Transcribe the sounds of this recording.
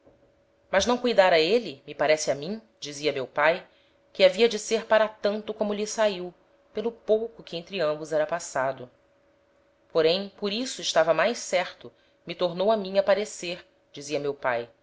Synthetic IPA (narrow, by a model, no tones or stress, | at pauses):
mɐznɐ̃w̃kujd̪aɾɐelɪmɪpaɾɛsɪamĩ | d͡ʒiziɐmewpaj | kɪaviɐd͡ʒɪseɾpaɾat̪ɐ̃nt̪ʊkõmʊʎɪsaiw | pelˠʊpowkʊkɪẽj̃t̪ɾɪɐ̃mbʊzɛɾɐpasad̪ʊ | poɾẽj̃poɾisʊɪʃt̪avɐmajssɛɾt̪ʊ | mɪt̪oɾnowɐmĩɲɐpaɾeseɾ | d͡ʒiziɐmewpaj